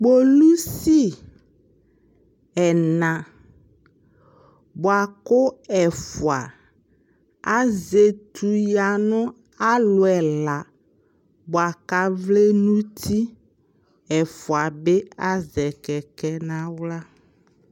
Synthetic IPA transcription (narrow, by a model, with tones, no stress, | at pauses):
k͡po˦lu˦si˦ | ɛ˨nã˨ | bo˨a˨ko˦ɛ˨fu˨a̰˨ | a˦ze˨t̪ʰu˨ja˨nɔ̃˦ | a˦lo˨ɛ˨la˨ | bo˨a˨ka˦vle˦nũ˦t̪ʰi˦ | ɛ˨fo˨a˨be˦a˦zɛ˨kɛ˨kɛ˦nã˦wla˦